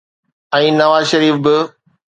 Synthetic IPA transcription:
ɛ̃ːnɐʋaːzʃɐɾiːfbɪ

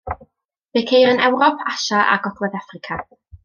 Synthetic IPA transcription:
v̥ekʰejɾənɛwɾɔpʰaʃaʔa̰ɡɔd̥wɛðafrɪkʰa

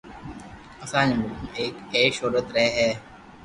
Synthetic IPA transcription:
ɐsãːnmʊlkʊmeːkeːʃoːɾət̪ɾɛɦɦɛː

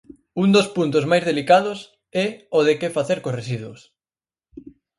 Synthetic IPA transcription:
und̪ospunt̪̬ʊzmajzðelikaðʊs | ɛoðekefaθeɾkosresiðwos

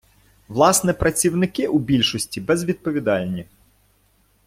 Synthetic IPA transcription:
ʋlˠɑsnɛpɾɐt͡sʲiwnɪkɪʔubʲilʲʃɔsʲtʲibɛzʋʲid̪̚pɔʋʲid̪ɑlʲnʲi

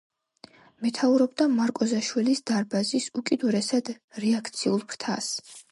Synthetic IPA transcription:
mɛt̪ʰauɾɔbd̪amaɾkʼɔzaʃwilisd̪aɾbazisukʼid̪uɾɛsad̪̥ | ɾɛakʰt̪sʰiulˠpʰɾt̪ʰa̰s

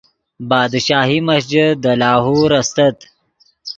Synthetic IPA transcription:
bɑːd̪ʃɑːɦiməsd͡ʒəd̪əlaːɦuɾɐst̪ɐt̪

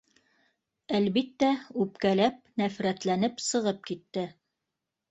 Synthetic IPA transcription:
ælβit̪ːæʉpkælæp̚næfɾæt̪lænɘpsɤ̆ʁɤp̚kit̪ːɘ

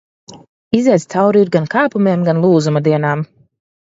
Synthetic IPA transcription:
izɛd̪st̪sawɾiɾɡankaːpumeɛmɡanlˠuːzumad̪iɛnaːm

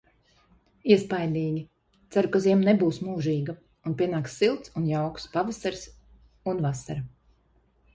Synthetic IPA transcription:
iɛspajlʲiːɡʲi | t̪saɾukaziɛmnebuːsmuːʒiːɡa | unpʲiɛnaːksːilˠt̪sunjawku̥spavasaɾs | unvasaɾa

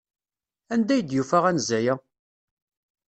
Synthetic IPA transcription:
ænd̪æjd̪jufæʁænzːæjæ

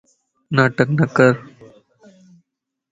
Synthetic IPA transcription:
naːʈəknɐkəɾ

